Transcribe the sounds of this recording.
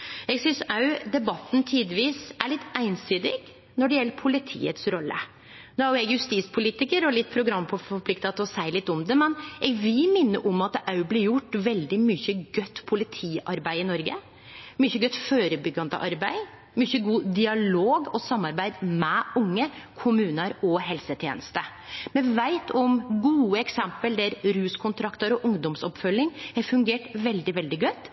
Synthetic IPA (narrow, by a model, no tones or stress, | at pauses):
ɛɡsʏnsɑʉd̪ɛbɑt̪ːnt̪ʰiːd̪ʋiːsæɭɪt̪ːæɪnsyːd̪ɪɡ | nɔɖɛjɛlːəɾpʰʊlɪt̪ʰḭːət̪sɾɔlːə̰ | noːhɑjʊɛɡjʉst̪iːspʰʊliːt̪ɪkəɾɔlɪt̪ːpʰɾʊɡɾɑmːpʰɔfɔɾpʰlɪkt̪ɑt̪ɔsæɪlɪt̪ːɔmd̪ɛmɛnʔɛɡʋɪlmɪnːə̰ʔɔmɑt̪ɑʉblɪɾjʊʈːʋɛld̪ɪmyçəɡœt̪ːpʰʊlɪt̪ʰiːɑ̰ɾbæɪɪnɔɾɡə̰ | mʏçəɡœt̪ːføːɾəbʏɡːɑnd̪ə̰ʔɑɾbæɪ | mʏçəɡuːd̪ɪɑloːɡɔsɑmːɑɾbæɪd̪mɛʔʊŋːəkʰʊmʉːnəɾɔɦɛlsət̪ʰjḛːnəst̪ə | mɛʋæɪt̪ʰɔmɡuːəɛksɛmpəld̪æɾɾʉːskʰʊnt̪ʰɾɑkt̪əɾɔʔʊŋd̪ɔmsɔpfœlːɪŋɛɾfʉŋɡeːʈʋɛld̪ɪʋɛld̪ɪɡœt̪ː